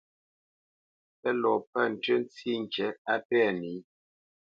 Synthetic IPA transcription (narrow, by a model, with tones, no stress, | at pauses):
pɛ˦lɔ˨pə˦˨n̩˨tɥə˦n˦t͡si˦ŋ˨kɛ˨˦a˦pɛ˦˨ni˨˦